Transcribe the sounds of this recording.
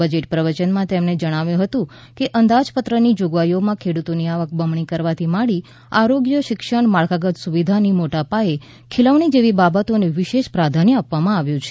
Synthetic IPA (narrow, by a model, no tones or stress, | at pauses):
əd͡ʒeʈpɾəʋət͡ʃənmãt̪emned͡ʒəɽ̃aʋjũɦət̪ũ | keʔənd̪ad͡ʒpət̪ɾənid͡ʒoɡʋajomãkʰeɽut̪oniaʋək̚bəmɳikəɾʋat̪ʰimaɭi | aɾoɡjəʃɪkʃəɳmaɭkaɡət̪suʋid̪ʱanimoʈapae | kʰɪləʋɳ̃id͡ʒeʋibabət̪oneʋɪʃeʃpɾad̪ʱanəapʋamãaʋjũt͡ʃʰe̥